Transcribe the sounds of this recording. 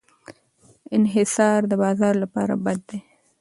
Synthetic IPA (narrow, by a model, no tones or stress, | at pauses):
ɪnɦɪsɑɾd̪əbɑzɑɾlapɑ̰ɾa̰bad̪̚ːe